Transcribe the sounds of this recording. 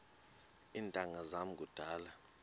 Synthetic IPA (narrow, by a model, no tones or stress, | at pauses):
iːntʼaŋazam̩kʼud̥ʱaːla